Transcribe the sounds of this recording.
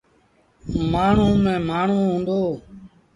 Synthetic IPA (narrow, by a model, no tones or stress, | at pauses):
maːɳ̤ũːmẽːmaːɳ̤uːɦũːnd̪oː